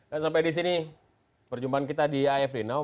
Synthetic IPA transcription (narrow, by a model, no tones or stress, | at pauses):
dansampajdis̬ini | pərd͡ʒumbaankit̪adiaɛfdena